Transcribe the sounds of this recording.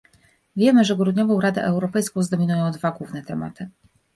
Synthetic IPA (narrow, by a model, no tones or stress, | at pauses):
vʲjɛmɘʐɛɡɾud̪ɲɔvɔ̃w̃ɾad̪ɛ̰ʔɛwɾɔpɛjskɔ̃w̃zd̪ɔmʲinujɔ̃w̃d̪vaɡwuvnɛt̪ɛma̰t̪ʰɘ